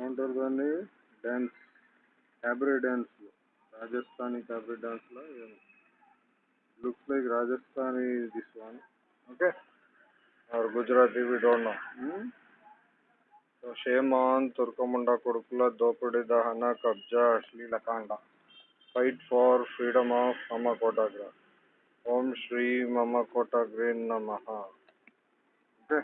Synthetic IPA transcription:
oːɳʈɐɾd̪ɐni | ɖaːns | kaːbɾiɖaːnslɐ | ɾaːd͡ʒɐst̪ʰaːnikaːbɾiɖaːnslaeːm | lukslɐjkɾaːd͡ʒɐst̪ʰaːnid̪isʋaːni | oːkeː | ɐɾɡud͡ʒɾaːt̪iʋiːɖoːɳːo | soːʃeːmaːnt̪uɾkɐmuɳɖɐkuɽukulɐd̪oːpuɽid̪ɐɦɐnɐkɐb̚d͡ʒɐɐʂlilɐkaːɳɖɐ | pɐjʈfʰaːɾpʰɾiːɖɐmaːfmɐmɐkoːʈaːɡɾɐ | hoːmʃɾiːmɐmɐkoːʈaːɡɾiːnːɐmɐɦɐ | oːke

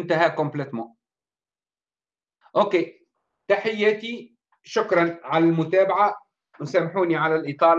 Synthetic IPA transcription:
nt̪aɦaːkʊmblɪt̪mo | ʔoːkeː | t̪aħɪjːat̪i | ʃʊkɾˤɑnʕalalmʊt̪aːbaʕa | wsaːmːħuːniʕalalʔɪt̪ˤɑːl

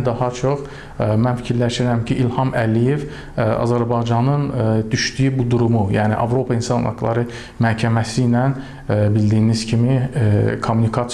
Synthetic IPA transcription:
d̪ɑhɑt͡ʃʰoχ | mænfi̥cʰiɾlæʃiɾæmcʰiʔilhɑmʔælijev | ɑ̰zæɾbɑjd͡ʒɑnɯnd̪yʃd̪yjybud̪uɾumujæːnḭʔɑ̰vɾo̞pʰɑinsɑnɑ̰ɡlˠɑ̰ɾɯ | mæhcʰæmæsijnæn | bild̪ijːniz̥cʰimikʰomːunikʰɑt̪

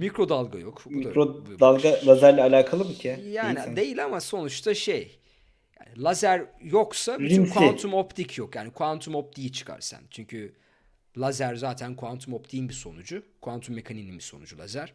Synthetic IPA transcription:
mikɾo̞d̪alˠɡa̰jokiaɾod̪alˠɡalˠazæɾlʲɛalʲaːkʰalˠɯmcʰɛjaːnid̪e̞jilʲamaso̞nut͡ʃt̪ʰaʃe̞j | ja̰ːnilˠazæɾjo̞ksabikunt̪ʰumo̞pt̪ʰicʰjokjaːnikʰuant̪ʰumo̞p̚t̪ʰijit͡ʃʰɯ̥kʰa̰ɾsa̰nt͡ʃʰyɲcʰy | lˠazæɾzaːt̪ʰænkʰuant̪ʰumo̞pt̪ʰijinbiso̞nud͡ʒukʰuant̪ʰumːe̞kʰaninimbiso̞̰nud͡ʒulˠa̰zæɾ̥

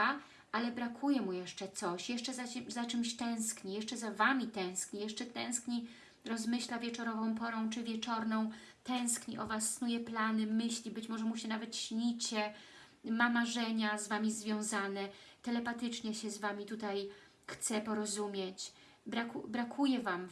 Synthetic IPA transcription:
a | ʔalɛbɾakʰujɛmujɛʂt͡ʂɛt̪sɔɕjɛʂt͡ʂɛzazat͡ʂɘmɕt̪ɛ̃w̃skɲijɛʂt͡ʂɛzavamʲit̪ɛ̃w̃skɲijɛʂt͡ʂɛt̪ɛ̃w̃skɲi | ɾɔzmɘɕlavʲjɛt͡ʂɔɾɔvɔ̃w̃pɔɾɔ̃w̃t͡ʂɘvʲjɛt͡ʂɔɾnɔ̃w̃ | t̪ɛ̃w̃skɲiʔɔvasːnujɛplanɘmɘɕlʲibɘt͡ɕmɔʐɛmuɕɛnavɛt̪ɕɲit͡ɕɛ | mamaʐɛɲazvamʲizvʲjɔ̃w̃zanɛt̪ɛlɛpat̪ɘt͡ʂɲɛɕɛzvamʲit̪ut̪aj | xt̪sɛpɔɾɔzumʲjet͡ɕ | bɾakubɾakʰujɛvam

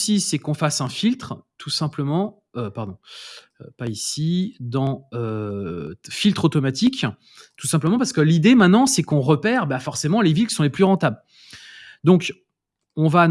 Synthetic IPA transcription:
sisɛkɔ̃fasɛ̃filt̪χət̪ʰusɛ̃pləmɑ̃ | øpaʁd̪ɔ̃ | øpaisid̪ɑ̃ø | filt̪χot̪ɔmat̪ik | t̪u̥sɛ̃pləmɑ̃paʁsə̥kəlid̪emɛ̃t̪nɑ̃sɛkɔ̃ʁəpɛʁbafɔʁsemɑ̃levilkʲi̥sɔ̃leplyʁɑ̃t̪abl | d̪ɔ̃k | ɔ̃va

